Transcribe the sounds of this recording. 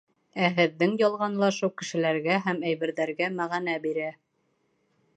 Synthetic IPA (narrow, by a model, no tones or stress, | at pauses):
æɦɘ̆ðːɘŋjɑlˠʁɑnlˠɑʃɤwkɘ̆ʃɘ̆læɾɡæɦæmæjβɘ̆ɾðæɾɡæmæʁænæbiɾæ